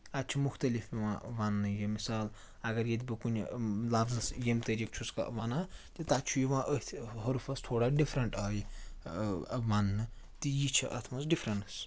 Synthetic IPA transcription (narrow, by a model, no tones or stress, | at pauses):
ɐt̪̚t͡ʃʰumuxt̪ɐlifjiʋãʋanːɨjemisaːl | ɐɡɐɾjed̪ʲbɨkunlafʰzɐsjemt̪ɐɾik̚t͡ʃʰuskɐ̰ʋanat̪it̪at͡ʃʰujiʋãʔət̪ʰɦɐɾupʰɐst̪ʰoːɽaɖifʰɾɐɳʈaːji | ʋanːɨ | t̪ijit͡ʃʰiʔɐ̰t̪ʰmɐsɖipʰɾɐnɐs